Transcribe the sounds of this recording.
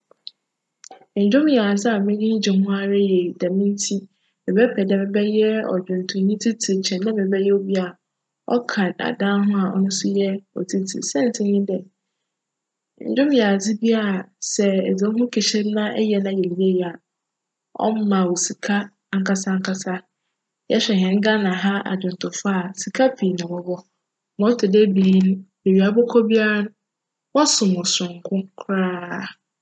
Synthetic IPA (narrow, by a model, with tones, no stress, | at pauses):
ɲ̩˨d͡ʑᶣʊ̃˦mjɛ˨a˨d͡zɪ˦a˨mɪ̃˦dĩ˦ɲ̩˦d͡ʑɪ̃˨hʊ̃˦a˦ɾɪ˦je˨dã˨mɪ̃˦n˦tʰi˦ | mɪ̃˨bɛ˦pʰɛ˨dɛ˨mɪ̃˦bɛ˦jɛ˦ɔ̰˨d͡ʑᶣʊ̃˨ntʰʊ̃˨˦ɲĩ˦tʰi˦tʰi˨t͡ɕʰɛ̃˨nã˦mɪ̃˨bɛ˦jɛ˦o˦bi˦a˨a˨ | ɔ̰˦kʰa˨da̰˨dã˦ɦʊ̃˦a˨ʔɔ̰˦nʊ̃˦sʊ˦jɛ˦ɔ̰˨tʰi˦tʰḭ˨sɛ̃˦n̩˨tʰɪ̃˦ɲĩ˦dɛ˨ | ɲ̩̰˨d͡ʑᶣʊ̃˦mjɛ˨a˨d͡zɪ˦bi˦a˦a˨sɛ˨ɛ˨d͡ze˨˦ɦʊ̃˦kʰe˨ɕɛ˦m˦nã˦ʔɛ̰˦jɛ˨nã˦jɛ˨ɾi˨˦e˦jɛ˨a˨ | ɔ̰˦m˦mã˨wo˨si˨kʰa˦ | ŋ̩˦kʰa˦sa˦ŋ̩˦kʰa˦sa˦ | jɛ˦ɕᶣɛ˨ɦɛ̃˨ŋ̩˦ɡa˦nã˨ɦa˦a̰˨d͡ʑᶣʊ̃˨n˨tʰʊ˨fʊ˦a˨si˨kʰa˦pʰiː˨nʊ̃˨wɔ˦bɔ˦ | mɔ̃˦tʰʊ˨de˦biː˨˦nʊ̃˦de˨ɥi˨a˨bɔ˦kʰɔ˦bi˦a˦nʊ̃˦ | wɔ˦sʊ̃˨mʊ̃˨sʊ̃˨ŋ˨kʰʊ̃˦kʰʊ˦ɾaː˦˨